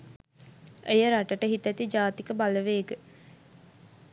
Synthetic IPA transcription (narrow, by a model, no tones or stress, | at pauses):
ejəɾaʈəʈəɦit̪æt̪id͡ʒaːt̪ikəbaləʋeːɡə